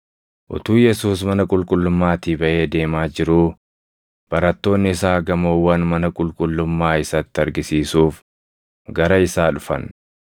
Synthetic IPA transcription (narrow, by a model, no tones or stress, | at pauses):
ʔʊ̰t̪uːjɛsuːsmɐnɐkʼʊlkʼʊlːʊmːaːt̪iːbɐʔe̞ːd̪e̞ːmaːd͡ʒɪɾuː | b̥ɐɾɐt̪ːo̞ːnːɪɪsaːɡɐmoːwːɐnmɐnɐkʼʊlkʼʊlːʊmːaːɪsɐt̪ːɪɐɾɡɪsiːsuːf | ɡɐɾɐɪsaːᶑʊfɐ̰n